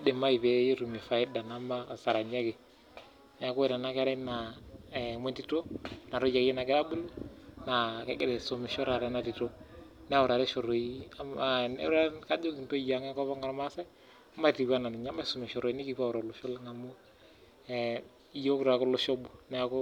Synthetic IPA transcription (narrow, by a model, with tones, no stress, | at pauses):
de˨ma˦i˨be˦ji˦ɾu˨m˨e˨fa˨ɪ˦da˨na˦ma˦˨sa˨ɾa˨ɲa˦ɡe˨ | nɛ˦a˨ko˦e˦˨da˨na˦kɛ˦ɾɛ˦na˨ | me˦nti˦to˦na˨ɾo˦d͡ʒa˨ɡi˦na˨ɡɛ˦da˦bu˦lu˦na˨kɛ˦ɡe˦dɛ˨so˨me˨ʃɔ˦ɾa˨ɾɛ˦na˨ti˨to˦ | nɛ˦wʊ˨ɾa˨ɾɛ˦ʃo˨ɾo˨i˦a˦ma̰˨˦ɾɛ˦nka˦d͡ʒo˦ɡi˨nto˦ja˨ŋɛ˦kɔ˦βɔ˦ŋɡa˦ɾma˦sɛ˦ | a˦ma˦ti˨ɡa˦na˨ni˨ɲa˦mːa˦˨su˨mɛ˨ʃo˨ɾo˨i˦ni˦ki˨pa˦˨ɾo˨lʊ˨ʃo˦lŋa˨mu˦˨˦ | jo˦kɾa˨ko˦lo˦ʃo˦bu˨nɛ˦a˨˦ko˦